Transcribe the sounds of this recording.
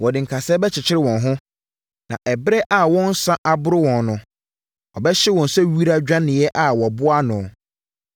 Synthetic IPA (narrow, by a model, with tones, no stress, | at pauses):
wɔ˨dɪ̃˨ŋ̩˨kʰa˨sɛː˦bɛ˦t͡ɕʰɪ˨t͡ɕʰɪ˦ɾɪ˦wɔ̃˨nɦʊ̃˦ | nã̰˨ʔɛ˨bɪ˦ɾɛ˦ʔa˦˨wɔ̃˦n̩˦sã˦ʔa˨bʊ˦ɾɪ˦wɔ̃˨nnʊ̃˨ | ɔ˨bɛ˦ɕɪ˦wɔ̃˨n˨sɛ˦ɥi˦ɾa˦d͡ʑᶣã˦nɪ̃˨jɛ˦ʔa˦wɔ˨bʊ˦a˦nʊ̃˨